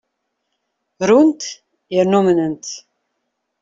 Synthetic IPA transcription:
ɾunt̪ | iɾnomənənt̪

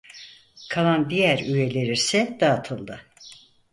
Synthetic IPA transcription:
kʰalˠand̪ijæɾyje̞lʲe̞ɾisɛd̪̥aːt̪ʰɯlˠd̪ɯ

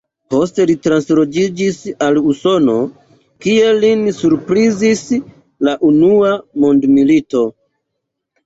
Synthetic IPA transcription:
po̞ste̞litɾanslo̞d͡ʒid͡ʒisaluso̞no̞ | kie̞lːinsuɾpɾizis | laʔunuamondmilito̞

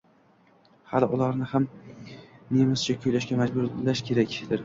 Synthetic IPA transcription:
halɪʔʊlaɾnɪham | nemɪst͡ʃʰakʰʊjlaʃɡʲamad͡ʒbʊɾlaʃkʲʰe̞ɾakʲd̪̥ɪɾ

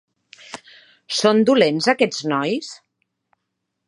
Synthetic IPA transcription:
sond̪ulenzakɛd͡znɔjs

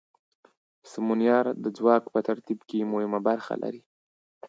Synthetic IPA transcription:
sɪmunjɑɾd̪əd͡zwɑkpət̪aɾt̪ibkemʊhɪmabaɾxa̰lʔa̰ɾi

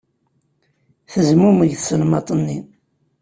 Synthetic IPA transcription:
θəzmuməʝθsnmɑt̪ˤənːin

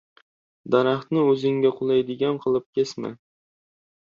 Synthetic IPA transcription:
d̪aɾɑχt̪nɪɵzɪŋɡʲaqʰʊlˠajd̪ɪɡʲanqʰɨlˠɪp̚kʲʰesmɪ̰

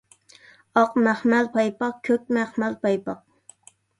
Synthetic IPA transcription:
ɑqmæχmɛlpʰɑjpɑqkʲʰøk̚ʲmæχmɛlpɑjpɑq̚

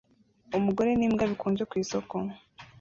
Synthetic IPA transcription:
umuɡo̞ɾe̞niːmɡaβikuːɲd͡ʒekwiːsoko

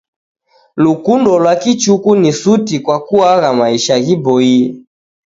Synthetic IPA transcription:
lukundɔlwakit͡ʃukunisutikwakuaɣamaiʃaɣibɔi

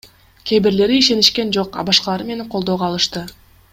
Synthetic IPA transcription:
kʲʰe̞bɪɾle̞ɾiiʃe̞niʃkʲe̞nd͡ʒo̞qɑ̰bɑʃqɑlˠɑɾɯme̞neɴqʰo̞lˠd̪o̞ʁɑːlˠɯʃt̪ɯ

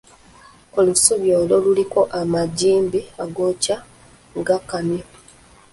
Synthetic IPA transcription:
o̞lusuβjoːlo̞luliko̞ʔamaɟiːmbiaɡoca | ŋɡakamjo

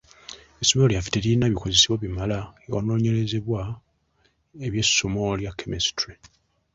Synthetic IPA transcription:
esomeoljafi̥teɾinaβiko̞zesiβwaβimalaewa̰no̞ːɲe̞le̞ze̞βwa | eβje̞somo̞ljakʰːemistɾi

